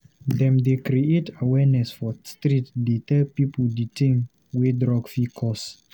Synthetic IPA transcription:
ðɛ̃mdekɾietawɛnɛsfɔstɾitdetɛlpipʰəditʰẽŋ | widɹɔɡfikʰɔs

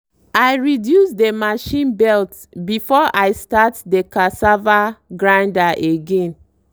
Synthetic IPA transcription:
ajɹidjusdemaʃĩnbɛlt | bifɔʔaɪstatdekasavaɡɹãndaʔeɡẽn

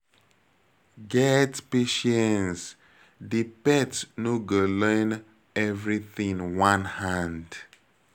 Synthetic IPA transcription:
ɡɛtpeʃɛ̃ns | dipɛtnuɡələ̃n | ɛvɹiθĩŋwãnhãnd

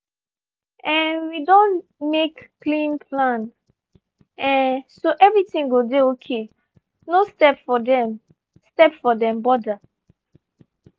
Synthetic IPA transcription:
ɛ̃nwidɔ̃nmekːlĩnpʰlãn | ɛ̃nsoʔɛvɹitĩŋɡodeokʰe | nostɛpfɔdɛ̃m | stɛpfɔdɛ̃mbɔda

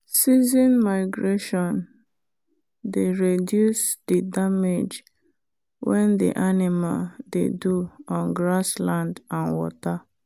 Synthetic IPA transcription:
sizĩnmaɪɡɹeʃɔ̃n | deɹedjusdidamed͡ʒ | wɛ̃ndḭʔanimaldḛduɔ̃nɡɹaslãndãnwɔ̰ta

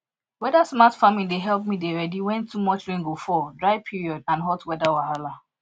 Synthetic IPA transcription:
wɛdasmatfamĩdeɦɛlˠp̚mideɹɛdiwɛ̃ntumɔt͡ʃɹĩŋɡofɔdɹaɪpʰiɹiɔdãnɦɔtwɛdawahala

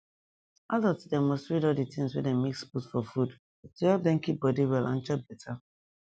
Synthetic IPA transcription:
adɔtidɛmɔstɹiɾɔlˠditĩŋswɛ̰dɛmeksputfɔfud | tuhɛlp̚dɛ̃nkip̚bɔdiwɛlʔã̰n̩t͡ʃɔp̚b̥ɛtʰa

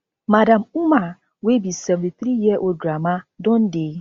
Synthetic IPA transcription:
madãmuma | webisɛvtiθɾijɛʔoɡɾamadɔ̃n̩de

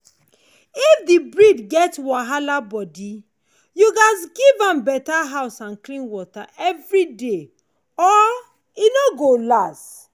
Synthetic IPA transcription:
ifdibɹidɡɛtwaɦalabɔdi | juɡas̬ɡivãmbɛtaɦaʊsãnklĩnwɔtaʔɛvɹide | ɔ | inoɡolast

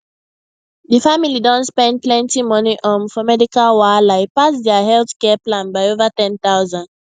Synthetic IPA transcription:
ðifamilidɔ̃ntspɛ̃nd̚plɛ̃ntimɔniʔɔ̃mfɔmɛdikalwalaɪpasdɛaɦɛlθkɛplãnbaɪovatɛ̃ntaʊzãnd

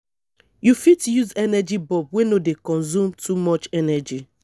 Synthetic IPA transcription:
jufitjuzɛnɛd͡ʒibɔb̚wenodekɔ̃nzumtʰumɔt͡ʃɛnɛd͡ʒi

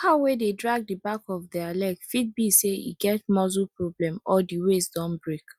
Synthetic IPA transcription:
haʊwededɹaɡ̚dibakɔvdɛalɛkfid̚biseḭɡɛt̚mɔzupɹoblɛ̃mɔdiwesdɔ̃nbɹek

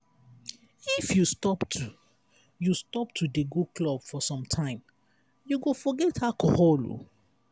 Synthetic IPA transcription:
ifjustɔptʰu | justɔp̚tʰudeɡoklɔb̥fɔsɔ̃mtʰãɪ̃m | juɡofɔɡɛthakɔ̰hɔlo̰

